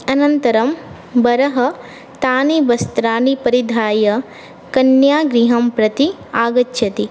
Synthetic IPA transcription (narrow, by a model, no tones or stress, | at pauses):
ɐnɐnt̪ɐɾɐm | bɐɾɐɦɐ | t̪aːnibɐst̪ɾaːnipɐɾid̪ʱaːjɐ | kɐnjaːɡɾiɦɐmpɾɐt̪i | aːɡɐt͡ʃːʃʰɐt̪i